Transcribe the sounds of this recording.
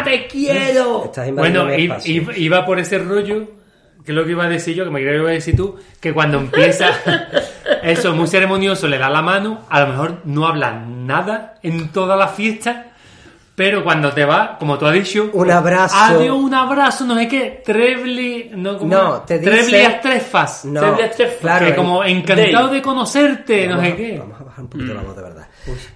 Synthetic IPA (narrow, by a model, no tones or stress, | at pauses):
t̪e̞kjeɾoḛt̪asmwenoiiβiβapo̞ɾe̞se̞ro̞ʝo | kelo̞keiβaðesiʝo̞kemekɾeɾeokeðesiɾt̪uke̞kwand̪oempje̞sa | e̞somuse̞ɾe̞monjo̞sole̞ðalamãnũalo̞me̞ɦo̞ɾnoaβla̰naðae̞nt̪o̞ðalafje̞ht̪a | pe̞ɾokwand̪ot̪e̞βako̞mot̪uaðit͡ʃounaβɾasaoðeouŋaβɾasonose̞ke̞t̪ɾeβlinokomnot̪eðiɾeβliast̪ɾe̞fasnoeðt̪ɾefaekomoeŋkant̪awðe̞ko̞no̞se̞ɾt̪e̞noseke̞a̰mosaβahaɾumpokit̪oβa̰moðeβeɾða̰u